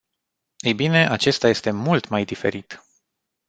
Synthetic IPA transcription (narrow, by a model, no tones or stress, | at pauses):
ejbine̞ʔat͡ʃe̞st̪aje̞st̪e̞mult̪majd̪ife̞̰ɾit̪